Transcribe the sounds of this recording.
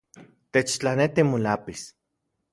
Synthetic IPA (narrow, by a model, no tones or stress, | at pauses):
t̪et͡ʃt͡ɬanet̪imolapis